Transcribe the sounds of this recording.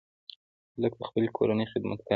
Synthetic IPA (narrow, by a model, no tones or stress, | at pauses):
ləɡ̚p̪əxpəlekʰo̰ɾanəjxɪd̪ma̰t̪ka